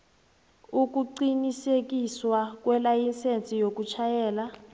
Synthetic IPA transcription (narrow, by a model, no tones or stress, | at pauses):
uk̬uǀinisek̬ʼiswak̬wɛlajinsʼent͡sʼijok̬ut͡ʃʰajɛːla